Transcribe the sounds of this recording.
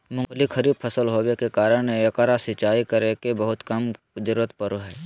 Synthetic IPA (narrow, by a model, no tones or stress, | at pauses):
mʊ̃ŋɡlikʰɐɾib̚pʰɐsəlɦoːʋekekaːɾəɽ̃ɐkaɾasɪt͡ʃaːikɐɾekebɐɦʊt̪kɐm | d͡ʒəɾuːɾət̪pɐɾoɦɛː